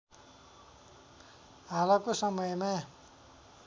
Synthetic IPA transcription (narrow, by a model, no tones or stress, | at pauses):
ɦalʌkosʌmʌjma